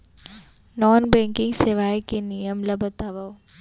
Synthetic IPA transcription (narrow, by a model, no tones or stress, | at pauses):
nɔːnbɛ̃ŋkɪ̃ŋɡseʋaːjkenijəmlɐbɐt̪aʋa